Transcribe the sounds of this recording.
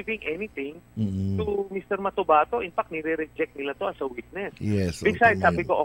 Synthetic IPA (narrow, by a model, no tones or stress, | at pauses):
vɪ̃ŋʔɛnit̪ɪŋːt̪umist̪ɛɾmɐt̪obaːt̪o̞ʔɪnfak̚t̪nɛɾɛɾɛd͡ʒɛk̚t̪nɪlat̪oʔɐsɐwit̪̚nɛsjɛsbɪɡsajd̪̚saːbɪkoʔo